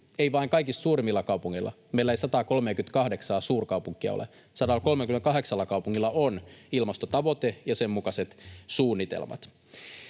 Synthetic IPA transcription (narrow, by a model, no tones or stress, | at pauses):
eiʋɑiŋkɑikist̪suːɾimːilːɑkɑwpuŋːḭlːˑʔɑ̰ | meilːæeisɑt̪ɑːko̞lmeːkynt̪kɑhdeksɑːsuːrkɑupuŋkːˑiɑ̰o̰lḛ | sɑdɑlko̞lmekyment̪̚kɑɦe̞ksɑlːɑkɑwpuŋːilːɑʔonilmɑst̪ot̪ɑʋo̞t̪ejɑsemːukɑse̞t̪suːnːit̪ḛlmɑ̰t̪